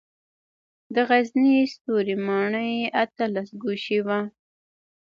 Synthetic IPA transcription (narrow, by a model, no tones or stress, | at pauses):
d̪əɣaznist̪oɾimɑɳəjat̪əlasɡuʃiwa